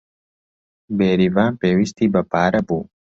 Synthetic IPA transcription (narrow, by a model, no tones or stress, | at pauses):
beːɾivãːpeːwist̪ibɐpaːɾɐbu